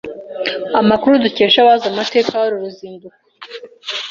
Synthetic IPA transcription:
amakuɾuduceːʃaβaːzamate̞ːkawoɾuɾuziːnduɾa

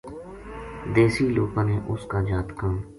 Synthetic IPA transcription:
d̪eːsiːloːpãːneːʔʊskaːd͡ʒaːt̪kãː

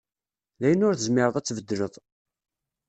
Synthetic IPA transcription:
læjənːʊɾθəzmɪɾˤəðˤæt͡sːvəd̪ːələðˤ

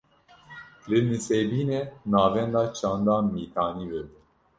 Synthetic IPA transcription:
lɨnɨsebiːnenɑːvɛnd̪ɑːt͡ʃʰɑːnd̪ɑːmiːt̪ʰɑːniːbɛbɨ

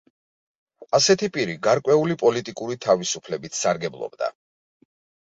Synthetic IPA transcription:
asɛt̪ʰipʼiɾiɡaɾkʼwɛulipʼɔlit̪ʼikʼuɾit̪ʰavisupʰlɛbit̪ʰsaɾɡɛblˠɔ̰bd̪a̰

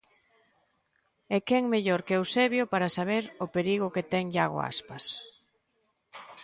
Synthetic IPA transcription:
ɛkɛŋmeʎoɾkwseβjʊpaɾasaβeɾʊpeɾiɣʊket̪ɛŋʎaɣo̰a̰spas

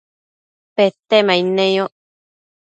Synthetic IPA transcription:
pet̪ːemainejo

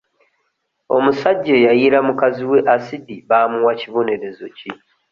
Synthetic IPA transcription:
o̞̰musaɟːe̞jajiɾamukaziwe̞ʔasidiβaːmuwaciβo̞ne̞ɾe̞zo̞ci

